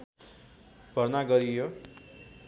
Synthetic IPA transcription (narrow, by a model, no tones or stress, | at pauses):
b̥ʱʌrnaɡʌɾijo